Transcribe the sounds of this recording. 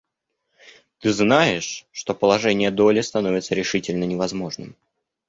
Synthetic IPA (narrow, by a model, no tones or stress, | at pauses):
t̪ɨznajɪʂːt̪o̞pəlˠɐʐɛnʲɪjəd̪o̞lʲɪst̪ɐno̞vʲɪt̪səɾʲɪʂɨtʲɪlʲnənʲɪvɐzmo̞ʐnɨ̰m